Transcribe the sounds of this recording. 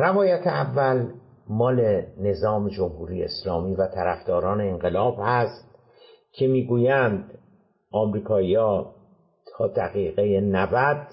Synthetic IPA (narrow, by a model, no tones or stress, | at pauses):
rævɒːjæt̪ʰeævːæl | mɒːle̞ne̞zɒːmed͡ʒo̞mhuːɾijḛeslɒːmiːvæt̪ʰæɾæfd̪̥ɒːɾɒːneːnɢe̞lɒːbhæst̪̚ | cʰe̞miːɡuːjænd̪ | ʔɒːmɾiːkʰɒːijɒː | t̪ʰɒːd̪æɣiːɣejenævæd̪̥